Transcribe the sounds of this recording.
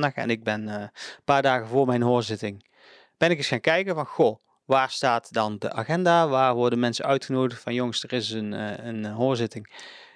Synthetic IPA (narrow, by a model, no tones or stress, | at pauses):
dɑxɛ̰nɪɡ̚bɛnpaːɹdaːɣəvoːɹmɛjnɦoːɹzɪtɪŋ | b̥ɛnɪkɪsxaːŋkɛjkəvɑnxo | ʋaːɹstaːtdɑndəʔaːχɛndaːʋaːɹʋɔɹdəmɛnsəœɥtχənoːwdəxtfɑnjoŋsdərɪsənənɦoːɹzɪtɪŋ